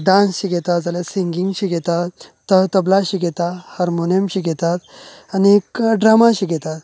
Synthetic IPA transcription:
ɖãnsɕiɡɛt̪at̪d͡zalesiŋɡiŋɡɕiɡɛt̪at̪ː | ət̪əblaɕiɡɛt̪ahaɾmonəmɕiɡɛt̪at̪ | anikɖɾamaɕiɡɛt̪at̪

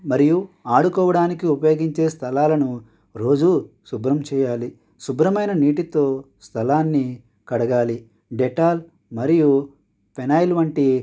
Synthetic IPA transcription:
mɐɾijuaːɽukɔːʋɐɽaːnikiupɐjo̞ːɡiɲt͡ʃe̞ːst̪ʰɐlaːlɐnu | ɾo̞ːd͡ʒu | subɾɐmt͡ʃɛːjaːli | subɾɐmɐjnɐniːʈit̪o̞ːst̪ʰɐlaːnːi | kɐɽɐɡaːli | ɖeʈaːl | mɐɾiju | pʰenaːjlʋɐɳʈi

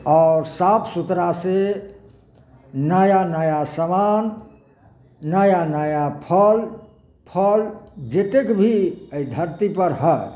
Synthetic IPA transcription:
ɔːɾsapʰsut̪ɾase | najanajasəman | ajanajapʰəl | pʰəld͡ʒet̪ekbʱiəid̪ʱəɾt̪ipəɾɦə

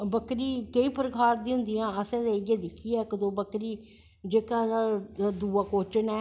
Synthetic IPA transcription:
bəkɾiːkəĩːpəɾəkʰaːɾd̪ĩːɦʊ̃nd̪ijãːəsɛ̃ːd̪eːɡẽːd̪ɪkʰːiɛːkəd̪oːbəkɾiː | d͡ʒeːkãːad̪uːaːkoːt͡ʃənɛː

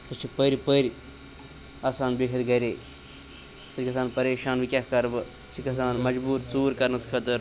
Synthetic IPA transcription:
sɐt͡ʃʰipəɾipəɾʲ | aːsaːnbeːkʰɐt̪ɡɐɾeː | sɐt͡ʃʰikɐsaːnpɐɾeːʃaːnʋikʲahkɐɾbɨsɐ̥t͡ʃʰikɐs̬aːnmɐd͡ʒbuːɾt͡suːɾkɐɾnɐskʰɐt̪ɨɾ

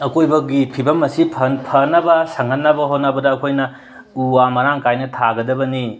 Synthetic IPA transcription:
ɐkʰojbɐɡipʰibɐmːɐsipʰɐnpʰɐnɐbɐsɐŋhɐnːɐbɐɦonɐbɐdɐːkʰojnɐ | uamɐɾaŋkajnɐtʰaɡɐdɐbɐni

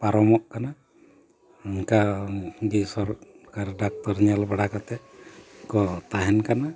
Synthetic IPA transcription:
paɾɔmɔʔkana | ŋkaɡisɔɾ | kaɾɖak̚t̪ɔɾɲalbaɽakat̪ɛʔkɔt̪aɦɛnkana

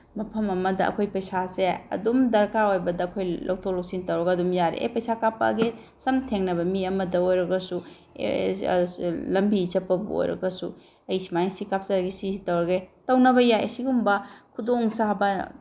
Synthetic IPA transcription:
mɐpʰɐmɐmɐdɐ̰ɐ̰kʰojpɐjsaseɐ̰dumdɐɾkaɾojbɐdɐːkʰojlʔow̚tʰowlok̚sintɐwɾɐɡɐɐdumjaɾḛʔḛpɐjsakapːɐ̰ɡe | sɐmtʰeŋnɐβɐmiɐmɐdɐojɾɐɡɐsṵ | lɐmbit͡ʃɐpːɐbṵo̰jɾɐ̰ɡɐsu | ɐjsimajsikap̚sɐɾɐɡisizitɐwɾɐɡetɐwnɐbɐjajɐ̰siɡumbɐkʰudoŋsabɐ

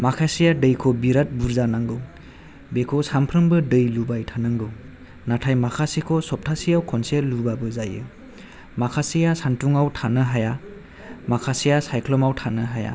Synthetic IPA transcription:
makʰasijadɯjkʰɔbiɾat̚buɾzanaŋɡɯw | bekʰɔsampʰɾɯmbɯdɯjlubajtʰanaŋɡɯw | natʰajmakʰasikʰɔsɔp̚tʰasijawkʰɔnseɾlubabɯzajɯ | makʰasijasantuŋawtʰanɯɦaja | makʰasijasajkʰlɔmawtʰanɯɦaja̰

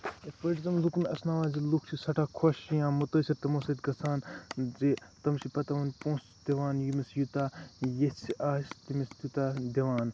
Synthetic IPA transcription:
pɐʈizɐmluknɐsnaːʋaːzilukʰt͡ʃʰisɐʈʰaːkʰoʃjãːmut̪ɐsʲiɾt̪ɐmoːsɐt̪ɡɐsaːnzit̪ɐmʃʰipɐt̪ɐʋɐnʲpõːs | d̪̥iʋaːnjimisjut̪aːjesiʔaːst̪imist̪jut̪aːd̪iɐʋaːn

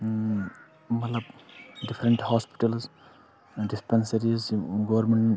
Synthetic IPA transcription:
mɐt̪lɐbɖifʰɾeɳʈhɔːspi̥ʈɐls | ɖispensɐɾizɡoʋɾmẽɳʈ

